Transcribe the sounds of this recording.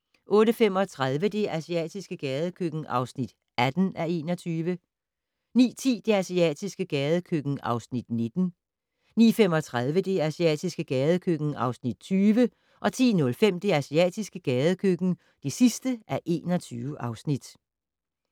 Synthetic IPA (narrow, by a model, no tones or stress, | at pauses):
ʔɔ̽ːɾəfem̰ɒ̽t͡sʰʁað̞ˠʋəd̥e̝ʔæsiɛ̰ːd̥isɡ̥əɡ̥ɛːð̞ˠəkʰøɡ̥n̩ʔɑ̈ʊsnid̥ | ʔæd̥n̩æe̝̰ːnɒ̽t͡sʰyːʋə | nḭːt͡sʰḭːd̥e̝æsiɛ̰ːd̥isɡ̥əɡ̥ɛːðˠəkʰøɡ̥n̩ɑ̈ʊsnid̥ne̝d̥n̩ | nḭːfem̰ɒ̽t͡sʰʁað̞ˠʋəd̥e̝æsiɛ̰ːd̥isɡ̥əɡ̥ɛːð̞ˠəkʰøɡ̥n̩ɑ̈ʊsnid̥̚t͡sʰyːʋə | ʔɒ̽t͡sʰḭːnɔ̽lfem̰d̥e̝æsiɛ̰ːd̥isɡ̥əɡ̥ɛːð̞ˠəkʰøɡ̥n̩ | d̥e̝sisd̥əʔæɐʔe̝̰ːnɒ̽t͡sʰyːʊəʔɑ̈ʊsnid̥